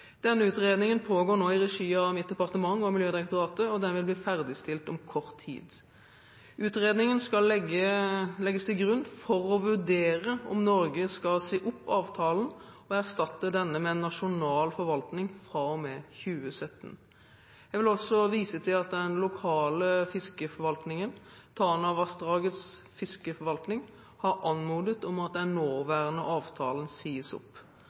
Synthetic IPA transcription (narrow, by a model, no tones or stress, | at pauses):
d̪̥ɛnːəʉːt̪ʁeːd̪nɪŋənpʰoːɡoːnoːɪʁɛʂiːɑʋmɪt̪̚d̪ɛpɑʁt̪əmɑŋːɔmɪljøːd̪ɪʁɛkt̪ʊʁɑːt̪əɔd̪ɛnʋɪlb̪iːfæʁd̪ɪst̪ɪlt̪ɔmkʰɔʁt̪ʰːḭːd̪ | ʉːt̪ʁeːd̪nɪŋənskɑlɛɡəlɛɡːəst̪ʰɪlɡʁʉnːfɔɾɔʋʉʁd̪eːʁəɔ̰mnɔɾɡəskɑlseːʔʊpːɑːʋt̪ʰɑːlnɔæʁst̪ɑt̪ːəd̪ɛnːəmɛɛnːɑʃʊnɑːlfɔɾʋɑlt̪nɪŋfʁɑːɔmɛːçʉːəsœt̪ːn | jæɡʋɪlɔsɔʋiːsət̪ʰɪlɑt̪d̪ɛnlʊkʰɑːləfɪskəfɔɾʋɑlt̪nɪŋənt̪ʰɑːnɑʋɑstd̪ʁɑːɡət̪s | fɪskəfɔɾʋɑlt̪nɪŋ | hɑɾʔɑnmuːd̪ət̪ɔmɑt̪̚d̪ɛnːoːʋæːʁənəʔɑːʋt̪ʰɑ̰ːlənsiːəsʊ̰pː